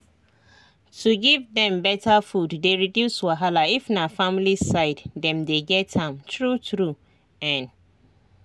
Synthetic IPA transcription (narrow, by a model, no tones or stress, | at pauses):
tʰuɡivdɛ̃mbɛtʰafudːeɹidjuswaɦalaifnafãmlisaɪddɛ̃mdeɡɛtʰãmtʰɹutʰɹu | ɛ̃n